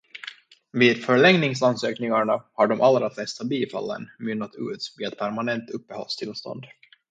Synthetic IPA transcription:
viːd̪fœɭɛŋnɪŋsansøːknɪŋaɳahaɖɔmʔalɾaflɛst̪abiːfa̰lːə̰nmʏnːat̪ʰʉ̟̰ːt̪viːɛt̪pʰæɾmanɛnt̪ɵpːəhɔ̰lst̪ʰɪlst̪ɔ̰nd̪

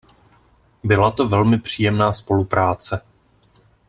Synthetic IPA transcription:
bɪlat̪o̞vɛlmɪpr̝̥iːjɛmnaːspo̞lupɾaːt͡sɛ

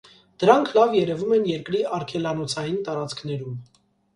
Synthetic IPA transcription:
d̪̥əɾɑŋkʰlɑvjɛɾɛvumɛnjɛɾkɾiɑɾkʰɛlɑnɔt͡sʰɑjint̪ɑɾɑt͡skʰn̪ɛɾum

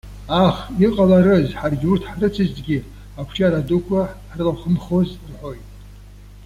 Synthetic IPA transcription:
aχiqʼalaɾɨzħarɡʲurtʰħarɨt͡sʰizdɡʲi | akʷʰʈ͡ʂʰaɾadukʷʰaħrɨlaχəmχo̞zrħo̞jtʼ

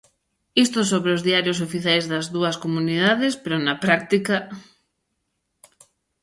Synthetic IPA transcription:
ist̪osoβɾeozðiaɾjos̬ofiθjajzðɐzðuɐskomuniðaðespeɾonɐpɾak̚t̪ikɐ

